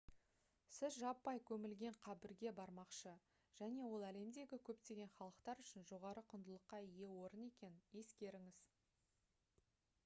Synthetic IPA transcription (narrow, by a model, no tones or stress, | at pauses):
sɪzʒɑpːɑjkʲʰɵmɪlɡʲe̞ɴqʰɑbɪɾɡʲe̞bɑɾmɑqʃə | ʒ̥æne̞wo̞lˠæle̞md̪e̞ɡʲɪkʲʰɵp̚t̪e̞ɡʲe̞nχɑlˠəqt̪ɑɾʏʃɪnʒo̞ʁɑɾəqʰʊnd̪əlˠəqːɑije̞wo̞ɾəne̞kʲe̞nɪje̞skʲe̞ɾɪŋɪz̥